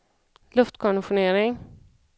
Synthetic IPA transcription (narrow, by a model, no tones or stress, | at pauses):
lɵft̪kʰɑɳʊɧʊɳeːɾɪŋ